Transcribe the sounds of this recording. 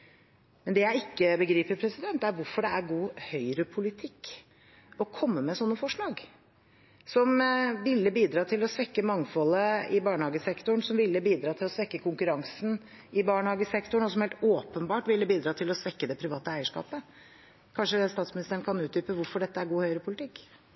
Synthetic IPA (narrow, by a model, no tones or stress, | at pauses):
mɛnd̪ɛjæɪɪkːəbəɡɾiːpəɾpʰɾɛsɪd̪ɛnt̪æɾʋʊɾfɔɖɛæɾɡuːhœʏɾəpʰʊlɪt̪ʰɪkː | ɔkʰɔmːəmɛsɔnːəfɔʂɭɑːɡ | sɔmʋɪlːəbiːd̪ɾɑːt̪ʰɪlɔsʋɛkːəmɑŋfɔləɪbɑːɳəhɑːɡəsɛkt̪ʊɳ̩sɔmʋɪlːəbiːd̪ɾɑːt̪ʰɪlɔsʋɛkːəkʰʊŋkʉɾɑŋsn̩ | ɪbɑːɳəhɑːɡəsɛkt̪ʊɳ̩ɔs̬ɔmhɛlt̪oːpənbɑːʈʋɪlːəbiːd̪ɾɑːt̪ʰɪlɔsʋɛkːəd̪ɛpʰɾɪʋɑːt̪əæɪəʂkɑ̰ːpə | kʰɑnʂəst̪ɑːt̪smɪnɪst̪əɾəɳkʰɑnʉːt̪̚d̪yːpəʋʊɾfɔɖɛt̪ːəæɾɡuːhœʏɾəpʰʊlɪt̪ʰɪkː